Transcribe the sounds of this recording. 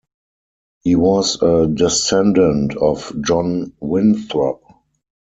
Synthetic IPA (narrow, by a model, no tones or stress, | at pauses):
hiːwɔzədɛsɛ̃ndə̃ntʰɔfd͡ʒɔ̃nwɪ̃nθɹap̚